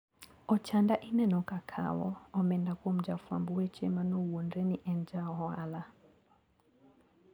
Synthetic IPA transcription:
ɔt͡ʃandaʔinɛnɔkakʰa̰wɔ̰ɔmɛndakɔm̩d͡ʒafwambuwɛt͡ʃɛmanɔuwɔndɛniʔɛnd͡ʒaɦɔa̰la

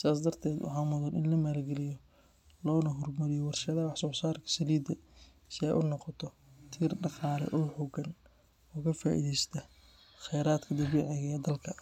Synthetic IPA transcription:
sɪðaːs̬d̪ɐrt̪ʰɛːd̪wɑ̰ħɑːmʊðɐnʔɪ̰nlɐmaːlɡɛlɪjɔ | lɔːnɐɦʊrmɐɾɪjɔwɑrʃɐðɐwɑħsɔːsaːrkʰɐ̥sɐliːd̪ɐ | sɪɛ̰jʔʊnɔqɔt̪ʰɔ | t̪ʰiːrɖɑqɑːlɛ̰ʔɔːħʊɡɐn | ɔːkʰɐfaːʔḭðɛjst̪ʰɐ | χɛjɾaːd̪kʰɐd̪ɐβiːʕɪɣɐɛd̪ɐlkʰɐ

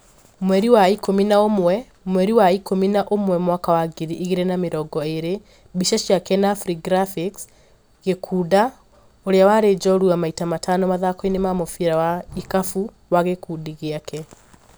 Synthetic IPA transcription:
mwɛɾiwaikominaomwɛ | mwɛɾiwaikominaʔomwɛmwakawaɡiɾiʔiɣeɾenameɾɔɡɔeɾe | biʃaʃjakɛnafɾiɡɾafiks | ɣekʰuːda | oɾejawaːɾed͡ʒɔɾuamaitamatʰanɔmaðakɔinemamofiɾawaikafu | waɣekudiɣeakɛ

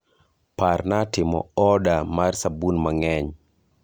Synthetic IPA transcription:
parnatɪmɔ̰ɔdamarsabunmaŋɛɲ

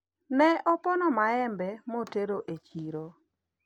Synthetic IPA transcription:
nɛʔɔpɔnɔmaɛmbɛmoteɾoʔet͡ʃiɾo

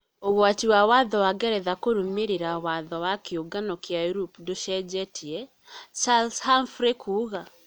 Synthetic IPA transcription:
oɣwatiwawaðɔwaɡɛɾɛðakoɾomeɾeɾawaðɔwakeoɡanɔkjauɾupdoʃɛd͡ʒɛtʰiɛ | t͡ʃalshanfɾekʰuɣa

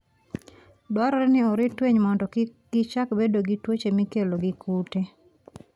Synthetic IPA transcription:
dwaɾɔɾɛnɪɔɾɪtweɲmɔndɔɡ̥ɪt͡ʃakbedoɡɪtwot͡ʃemɪkeloɡɪkʰute

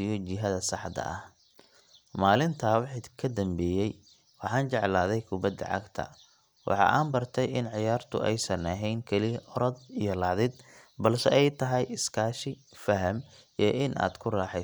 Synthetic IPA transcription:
ɪjɔt͡ʃɪɦɐðɐsɑħd̪ɐ̰ʔɐh | maːlɪnt̪ʰaːwɑħikʰɐd̪ɐmbɛːjɛj | wɑħɑːnt͡ʃɛʕlaːðɛjkʰʊbɐd̪ɐ̰ʕɑ̰ɡt̪ʰɐ̰ | wɑ̰ħɑ̰ʔaːmbɐrt̪ʰɛjɪnʕɪjaːrt̪ʰʊ̰ʔɛjsɐnɐɦɛjŋkʰɛlɪʔɔɾɐd̪ijɞlɑʕðɪd̪bɐlsɛɛjt̪ʰɐɦɛjɪskʰaːʃɪfɐɦɐm | ijʔɪnʔa̰ːd̪̥kʰʊraːħɛ

